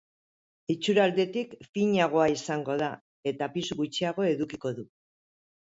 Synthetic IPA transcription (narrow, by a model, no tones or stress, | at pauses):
it͡suɾald̪e̞t̪ikfiɲaɣ̞o̞aisaŋɡo̞ða | e̞t̪apisuɣut͡ʃiaɣ̞o̞e̞ðukiko̞ðu